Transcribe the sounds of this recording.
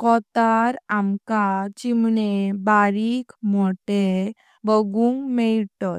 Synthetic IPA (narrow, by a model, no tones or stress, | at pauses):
kɔt̪aɾamkad͡ʑimnebaɾikmoʈe | bəɡuŋmeɭʈɔt̪